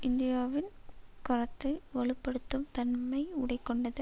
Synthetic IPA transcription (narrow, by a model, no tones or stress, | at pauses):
ɪnd̪ɪjaːʋɪnkɐɾɐt̪ːɯʋɐɭɯpːɐɽɯt̪ːɯmt̪ɐnmɐɪʊɽɐɪkːɔɳɖɐðɯ